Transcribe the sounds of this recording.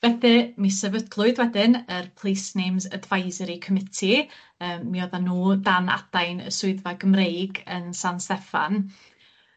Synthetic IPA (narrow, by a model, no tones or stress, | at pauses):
v̥ɛθɨmisɛvədlˠʊɨðwɛdɪnərpʰl̥ˠejsnejmzədvajzɛɾikʰəmɪtʰi | əːmːiɔðanuːdana̰d̥ajnə̰sʊɨðvaɡəmrejɡənsanstɛfa̰n